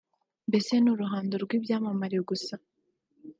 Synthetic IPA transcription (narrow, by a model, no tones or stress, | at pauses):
mbe̞se̞nuɾuɦaːndoɾɡwiːbjaːmamaɾiɡusa